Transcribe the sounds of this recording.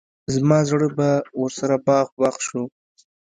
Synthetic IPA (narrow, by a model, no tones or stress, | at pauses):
zmɑzɽəbawəɾsaɾabɑɣbɑxʃu